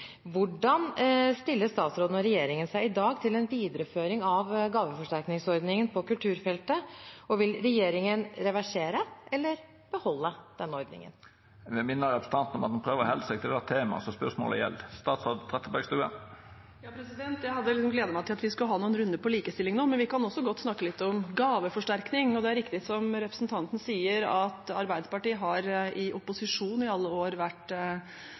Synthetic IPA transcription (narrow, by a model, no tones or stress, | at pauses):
ʋʊɖɑnst̪ɪlːəst̪ɑːt̪sɾoːd̪n̩ɔɾɛjeːɾɪŋənsæɪɪd̪ɑːɡt̪ʰɪlɛnʋiːd̪əɾʉpføːɾɪŋɑʋɡɑːʋəfɔʂʈæɾknɪŋsɔɾd̪nɪŋənpʰɔkʉlt̪ʰʉːɾfɛlt̪əɔʋɪlɾɛjeːɾɪŋənɾɛʋæʂeːɾəʔɛlːəɾ | b̥əhɔlːəd̪̥ɛnːɔɾd̪nɪ̰ŋə̰n | ʋɛmɪnːəɾɑpst̪ʰɑnt̪nɔmɑt̪̚ɛnpʰʁøːʋəʁhɛlsɛk̚t̪ʰɪld̪æt̪ʰeːmɑ̰sɔspœʁʂsmo̰ːlə̰jɛ̰lːst̪ɑːt̪sɑd̪t̪ʰʁɛt̪ːəbæɡst̪ʉːə̰ | jɑːpʰɾɛsɪd̪ɛnt̪jæɪɦɑd̪ːəlɪks̬ɔmɡleːd̪əmæɪt̪ɪlɑt̪ʋɪskʉəɦɑːnuːənɾʉnd̪əpɔliːkəst̪ɪlːɪŋnoːmɛnʋɪkɑnɔsːɔɡɔt̪ːsnɑkːəlɪt̪ːɔmɡɑːʋəfɔʂʈæɾknɪŋɔd̪ɛæɾɪkt̪ɪsɔmɾɛpɾəsnt̪ʰɑnt̪ənəsiːəɾɑt̪ɑɾbæɪd̪pɑʈiːəɦɑɾɪʔʊpʊsɪʂuːnɪɑlːəoːɾʋæʈː